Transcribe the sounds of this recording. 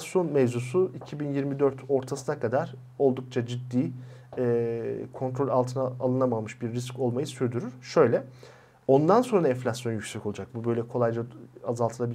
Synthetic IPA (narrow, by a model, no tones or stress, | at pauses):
sjo̞nmɛzusuicʰibinjiɾmid̪ø̞ɾt̪ʰo̞ɾt̪ʰasɯnakʰad̪aɾ̥ | o̞lˠd̪uk̚t͡ʃʰad͡ʒid̪ːiːɛkʰo̞nt̪ʰɾo̞lʲalˠt̪ʰɯnaːlˠɯnamamɯʃbiɾːisco̞lˠmajɯsyɾd̪yɾyɾ̥ʃø̞jlʲɛ | o̞nd̪anso̞nɾaɛɱflʲasjo̞njycsɛkʰo̞lˠud͡ʒak̚bubø̞jlʲɛkʰo̞lˠajd͡ʒaazalˠt̪ʰɯlˠabi